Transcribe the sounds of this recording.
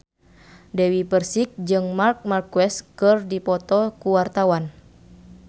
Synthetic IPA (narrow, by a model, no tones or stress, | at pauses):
dɛwipərsik̚d͡ʒɨŋmark̚markwɛskɨrdipɔt̪ɔkuwart̪awan